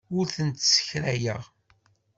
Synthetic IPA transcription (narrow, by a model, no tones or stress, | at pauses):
ʊɾθənt̪sə̥çɾæjə̰ʁ